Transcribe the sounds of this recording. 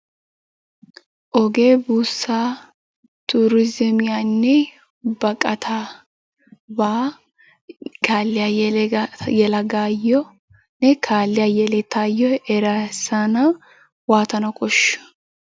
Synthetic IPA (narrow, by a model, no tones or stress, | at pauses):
ʔɔɡeːbuːsːaː | t̪uɾɪzɛmɪjanːɛ | bɐkʼɐt̪ʰa | baː | ɡaːlːɪjaj | jɛlɐɡaːjːɔ | nɛkʰaːlːɪjajɛlɛt̪aːjːɔɛɾɐsanɐ | waːt̪ɐnɐkʼɔʃː